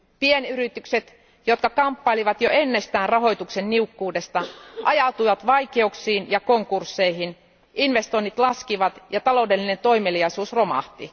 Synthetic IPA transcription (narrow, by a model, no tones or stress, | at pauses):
pienyɾit̪ykset̪ | jot̪̚kɑkɑmpːɑiliʋɑt̪joe̞nːe̞st̪æːnrɑɦo̞jt̪uksenːiukːuːde̞st̪ɑʔɑjɑut̪ujʋɑt̪ʋɑike̞uksiːnjɑkoŋkursːe̞ihin | ʔinʋe̞st̪o̞inːit̪lɑskiʋɑt̪jɑt̪ɑlo̞ude̞lːine̞nt̪o̞imelijɑisuːsromɑ̰ht̪i